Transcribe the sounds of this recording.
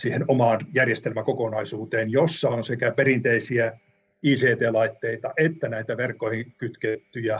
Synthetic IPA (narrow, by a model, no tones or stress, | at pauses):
siːhenomɑːnjærjest̪elmækokonɑisuːt̪eːnjosːɑonsekæperint̪eisiæ | iːseːt̪eːlɑit̪ːeit̪ɑʔet̪ːænæit̪æʋerkːoihikyt̪ket̪ːyjæ